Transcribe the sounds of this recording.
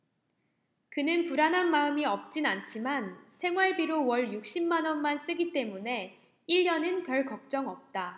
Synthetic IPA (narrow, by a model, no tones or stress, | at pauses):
kɯnɯnpuɾanɦanmaɯmiʌp̚t͡ɕ͈inant͡ɕʰimansʰe̞ŋwaɭbiɾowʌɭjuk̚ɕ͈imːanʌnmans͈ɯɡit͈e̞mune̞ | iʎːʌnɯnpjʌɭkʌk̚t͡ɕ͈ʌŋʌp̚t͈a